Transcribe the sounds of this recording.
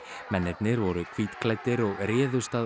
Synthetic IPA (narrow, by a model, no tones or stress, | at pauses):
mɛnːɪt̪nɪɾvɔɾʏkʰviːt̪kʰlajt̪ɪɾɔɣrɛːðʏst̪aː